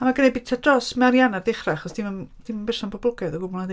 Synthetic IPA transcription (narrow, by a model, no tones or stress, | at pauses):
amaɡənebɪ̥tʰadrɔsmɛɾjanarðɪχraaχɔsd̥imənd̥imbɪrʃanpʰɔblˠʊɡɛðɔɡʊbɔlˠnad